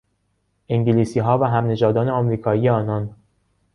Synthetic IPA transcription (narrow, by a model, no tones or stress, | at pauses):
ʔeŋɟiliːsiːɦɒːvæɦæmne̞d͡ʒɒːd̪ɒːneɒmɾiːkʰɒːiːeɒːnɒːn